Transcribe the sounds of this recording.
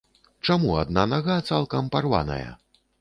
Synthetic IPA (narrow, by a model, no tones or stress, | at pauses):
t͡ʂamuad̪nanaɣat̪salˠkɐmparva̰nɐ̰jɐ̰